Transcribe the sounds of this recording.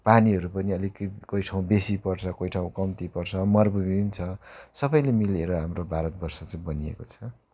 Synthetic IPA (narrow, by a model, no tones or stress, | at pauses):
paniɦʌɾupʌniʌlikkojʈʰaw̃besipʌrt͡sʰʌkojʈʰaw̃kʌmt̪ipʌrt͡sʰʌmʌrbubint͡sʰʌsʌbʌjlemileɾʌɦamrobaɾʌt̪̚bʌrsʌt͡sʌj̃bʌniḛkot͡sʰʌ